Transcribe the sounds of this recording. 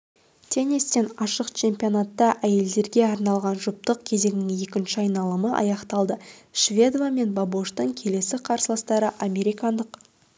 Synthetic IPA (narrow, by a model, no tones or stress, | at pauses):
t̪ʰe̞nist̪e̞nɑʃəqt͡ʃʰe̞mpʲio̞nat̪ːɑʔæje̞ld̪e̞ɾɡʲe̞ɑɾnɑlˠʁɑnʒʊp̚t̪əq̚kʲʰe̞ze̞ŋɪnɪŋje̞kʲɪnʃɪɑjnɑlˠəməʔɑ̰jɑqt̪ɑlˠd̪əʃvʲe̞d̪vame̞nbaboʃt̪əɴkʲʰe̞le̞sɪqʰɑɾsəlˠəst̪ɑɾəʔame̞ɾijkɑnd̪əq